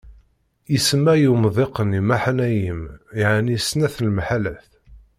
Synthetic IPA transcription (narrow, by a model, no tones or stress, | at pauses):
jəsəmːæjumðˤeqənimaħənæjəmjaʕnisnæθnlmħalæθ